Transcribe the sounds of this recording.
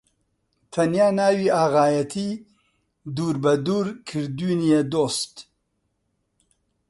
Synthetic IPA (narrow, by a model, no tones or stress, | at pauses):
t̪ʰɐnjaːnaːwiːaːɣaːjɐt̪ʰi | d̪uːɾbɐd̪uːɾkʰɨɾd̪uːnijed̪oːst̪